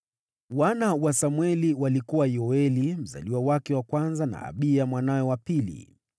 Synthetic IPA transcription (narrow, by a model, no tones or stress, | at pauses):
wanawasamwɛliwalikuwajɔɛlim̩za̰liwawakɛwakwanzana̰ːɓiamwanajɔwapilḭ